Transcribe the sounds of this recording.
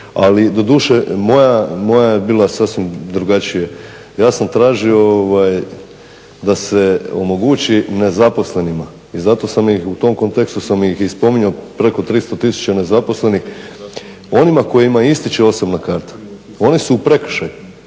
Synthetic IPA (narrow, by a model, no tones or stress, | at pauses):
a̰lid̪o̞d̪uːʃemo̞jamo̞jajebiːlˠasasʋimd̪ɾuɡat͡ɕije | jaːsamt̪ɾaːʒiooʋaj | d̪ase̞o̞̰mo̞ɡuːt͡ɕine̞zapo̞sle̞nima | izat̪o̞samixut̪o̞mko̞nt̪e̞kst̪usamixispo̞miɲopɾe̞ko̞t̪ɾist̪o̞t̪isu̥t͡ɕane̞zapo̞sle̞nix | o̞nimako̞jimaist̪it͡ʃeo̞sobnakaɾt̪ḁ | o̞nisuːpɾe̞kʃaju